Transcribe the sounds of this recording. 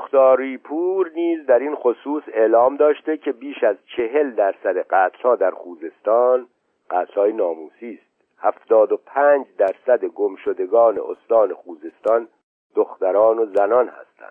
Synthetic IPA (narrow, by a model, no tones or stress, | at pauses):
xt̪ɒːɾiːpʰuːɾniːzd̪æɾinxo̞suːse̞ʔlɒːmd̪ɒːʃt̪e̞cʰe̞biːʃæzt͡ʃʰe̞ɦe̞ld̪æɾsæd̪eɢæːt̪ʰlhɒːd̪æɾxuːze̞st̪ɒːn | ɢ̥æːt̪ʰlhɒːjenɒːmuːsiːst̪̚ | hæft̪ɒːd̪opʰæːnd͡ʒd̪æɾsæd̪e̞ɡomʃod̪e̞ɡɒːne̞̰ʔost̪ɒːnexuːze̞st̪ɒn | d̪̥oxt̪æɾɒːno̞zænɒnhæ̰st̪æ̰nd̪̥